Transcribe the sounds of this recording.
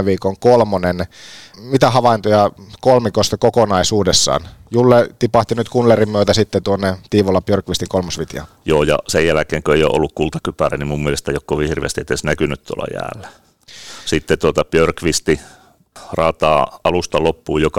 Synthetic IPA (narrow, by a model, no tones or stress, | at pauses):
ʋiːkoŋkolmonenmit̪æhɑʋɑint̪ojɑkolmikost̪ɑkokonɑisuːdesːɑ̰ːnjulːet̪ipɑht̪inyt̪kunlerimmyøt̪æsit̪ːet̪uonːet̪iːʋolːɑpjørkʋist̪iŋkolmosʋit̪jɑ̰ | joːjɑ̰sejjælækeːŋkøeijo̰ʔo̰lːukkult̪ɑkypærenimumːielest̪æjokkoʋihirʋḛːst̪iet̪ːesnækynyt̪t̪uo̰lːɑ̰jæ̰ːlːæ̥ | sit̪ːet̪uot̪ɑpørkʋist̪i | rɑːt̪ɑːɑlust̪ɑlopːuːjokɑ